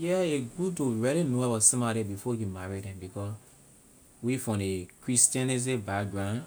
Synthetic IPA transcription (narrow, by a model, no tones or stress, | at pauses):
jɛeɡutoɹɛlinoabɔsĩmadebifɔjimaɹidɛ̃mbikɔs | wifɔ̃nekɹistãniz̬ẽbaɡɹãn